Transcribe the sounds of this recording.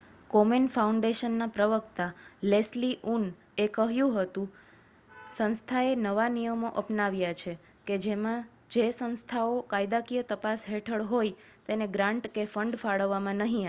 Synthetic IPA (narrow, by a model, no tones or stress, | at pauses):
komenfauɳɖeʃənːapɾəʋəkt̪alesliʔun | ekəɦjũɦət̪ũ | sə̃nst̪ʰaenəʋanijəmoʔəpnaʋjat͡ʃʰe | ked͡ʒemã | d͡ʒesə̃nst̪ʰaokajd̪akijət̪əpasɦeʈʰəɭɦojt̪eneɡɾãɳʈkefəɳɖfaɭəʋːamãnəɦĩa